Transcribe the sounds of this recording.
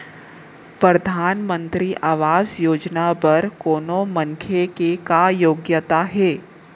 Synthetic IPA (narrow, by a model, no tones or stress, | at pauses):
pɾɐd̪ʱaːnmə̃nt̪ɾiʔaːʋaːzjoːd͡ʒnapɐɾkoːnomɐ̃ŋkʰjekekajoːɡjət̪aɦɛː